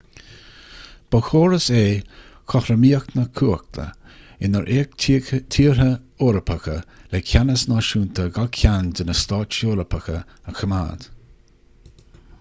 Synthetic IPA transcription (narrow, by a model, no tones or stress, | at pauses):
b̥əxoːɾəseː | kʰɔhɾəmiːəknəkʰuːək̚t̪ʰə̰ | ɪnəɹʔektʰiːəɹə | oːɾəpʰəkəlɛkʰʲanəsnɑʃuːnt̪ʰəɡakʰjandənəst̪ɑːt͡ʃoːɾəpʰəxə | əxʰəma̰ːd̪̥